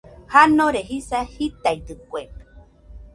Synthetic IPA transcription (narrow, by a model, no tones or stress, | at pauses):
hanõɾeɦisahit̪ajd̪ɨkʷeme̥